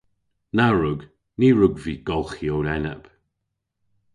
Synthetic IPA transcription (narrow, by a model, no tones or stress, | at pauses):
naɹʊɡ | niːɹʊɡviːɡ̥ɔlˠxjowlɛnəp